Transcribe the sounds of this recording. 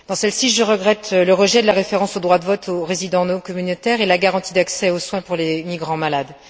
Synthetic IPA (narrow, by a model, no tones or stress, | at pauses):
d̪ɑ̃sɛlsiʒəʁəɡʁɛt̪ləʁəʒɛd̪əlaʁefeʁɑ̃sod̪ʁwad̪əvɔt̪ʰoʁezid̪ɑ̃nokɔmynot̪ɛʁelaɡaʁɑ̃t̪id̪aksɛoswɛ̃puʁlemiɡʁɑ̃malad̪